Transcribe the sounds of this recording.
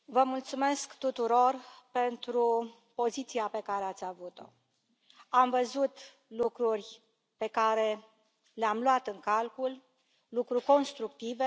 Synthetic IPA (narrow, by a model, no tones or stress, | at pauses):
vəmult̪sume̞skt̪ut̪uɾo̞rpe̞nt̪ɾu | po̞zit̪siape̞kaɾeat̪sʲavut̪o̞̰ | amvəzut̪ | lukɾurʲ | pe̞kaɾe̞ | leamlwat̪ɨŋkalkul | lukɾurʲko̞nst̪ɾuk̚t̪ive̞